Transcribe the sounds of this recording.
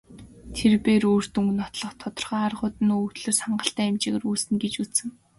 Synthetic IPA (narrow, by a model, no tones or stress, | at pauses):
t̪ʰerpeːɾoːr̥t̪uŋɡnɔt̪ɮɞ̆χt̪ʰɔt̪ɞ̆rχaːarʁʊːt̪ɘ̆nuuːt̪ɮɵ̆rsaɴɢə̆ɬt̪æːɪmt͡ɕiɣĕruːsɘ̆nɡet͡ɕut͡ssɘ̆ŋ